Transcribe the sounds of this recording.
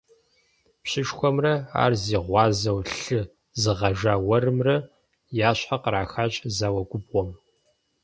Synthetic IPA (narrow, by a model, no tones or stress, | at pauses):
pɕɪʂxʷɔmrɐa̰ːrziːʁʷɑːzɐwɬɨ | zɨʁɐʒaːwɐrɨmrɐ | jaːɕħaqəɾaːxaːɕʼzaːwɐɡʷʼʊbʁʷɔm